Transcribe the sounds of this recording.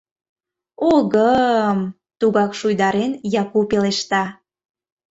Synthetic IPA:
oɣəm | t̪uɣɑkʃujd̪ɑɾenjɑkupeleʃt̪ɑ

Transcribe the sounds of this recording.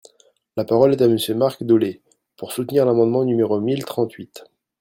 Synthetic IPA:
lapaʁɔlɛt̪aməsjømaʁkd̪ɔle | puʁsut̪niʁlamɑ̃d̪mɑ̃nymeʁomilt̪χɑ̃t̪ɥit̪

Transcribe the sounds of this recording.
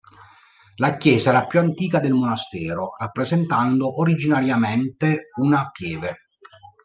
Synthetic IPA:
lakjɛːzaɛːɾapjuant̪iːkad̪elmonast̪ɛːɾorapːɾezent̪and̪oʔoɾid͡ʒinaɾjament̪eunapjɛːve

